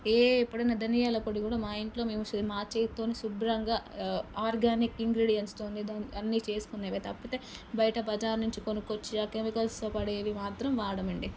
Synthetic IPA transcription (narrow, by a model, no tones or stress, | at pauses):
eːipːuɽɐnːɐd̪ɐnijaːlɐpoɽikuːɽaːmaːiɳʈlo̞ːmeːmusɐd̪imaːt͡ʃeːt̪oːnisubɾɐŋɡaːaːɾɡaːnikiŋɡɾiɽijɐnst̪oːnd̪id̪aːnɐnːit͡ʃe̞ːsu̥kunːeːʋet̪ɐpːɐt̪e | bɐjɐʈɐbɐd͡ʒaːɾnuɲt͡ʃikonukot͡ʃːiakɾemikɐlsopɐɽeːʋimaːt̪ɾɐmʋaːɽɐmɐɳɖi